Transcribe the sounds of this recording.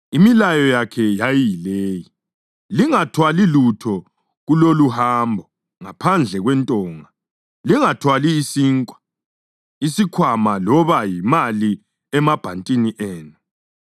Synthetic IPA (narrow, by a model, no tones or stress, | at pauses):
imilajɔjakʰɛjajijileːji | liŋatʰwalilutʰɔ | ɣuloluhaːmbʱɔ | ŋapʰand͡ɮʱɛɣwɛntʼɔːŋa | liŋatʰwaliːsiːŋkʼwḁ | isikʰwamalɔβajimali | ɛmab̥ʱantʼiniʔeːnu